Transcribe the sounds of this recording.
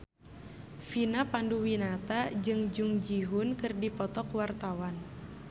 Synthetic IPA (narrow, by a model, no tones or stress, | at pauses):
finapanduwinat̪ad͡ʒɨŋd͡ʒuŋd͡ʒiɦunkɨrdipɔt̪ɔkwart̪awan